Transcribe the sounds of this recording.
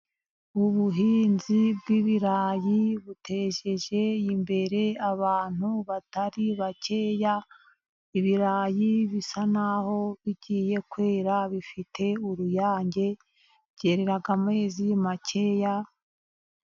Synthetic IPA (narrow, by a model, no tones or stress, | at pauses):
uβuɦiːnzibɡiβiɾaːjiβutʰe̞ʒe̞ʒe̞jimbe̞ɾe̞aβaːn̥huβataɾiβace̞ːja | iβiɾaːjiβisanaho̞βiɟiːje̞kwe̞ːɾaβifitʰe̞uɾujaːɲɟe̞ | βɟ̥e̞ɾe̞ɾaɡamwe̞ːzimace̞ja